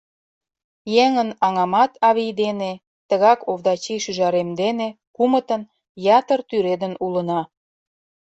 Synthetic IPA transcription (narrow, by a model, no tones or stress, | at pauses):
jeŋənɑŋɑmɑt̪ɑβijd̪ene | t̪əɣɑkovd̪ɑt͡ɕiʃyʒɑɾemd̪ene | kumət̪ən | jɑt̪ərt̪yɾed̪ənulənɑ